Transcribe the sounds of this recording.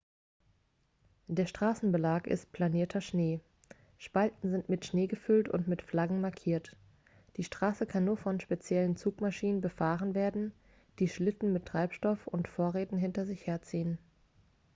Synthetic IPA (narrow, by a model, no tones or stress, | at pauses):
d̥eːɐʃtʁ̥aːsn̩bəlaːkɪ̰st̚pʰl̥aniːɐtʰɐʃneː | ʃpaltn̩zɪntmɪtʃneːɡəfʏltʊ̰ntmɪtflaɡŋ̩maɐkʰiːɐt | d̥iːʃtʁ̥aːsəkʰanːuːɐfɔnʃpet͡sjɛlənt͡suːkmaʃiːnənbəfaːʁənveːɐdn̩ | d̥iːʃlɪtn̩mɪtʁ̥aɪpʃtɔfʊ̰ntfoːɐʁeːtn̩ɦɪntɐzɪçheːɐt͡siːən